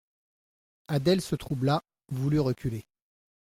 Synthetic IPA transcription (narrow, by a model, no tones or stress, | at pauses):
ad̪ɛlsət̪χubla | vulyʁəkʲyle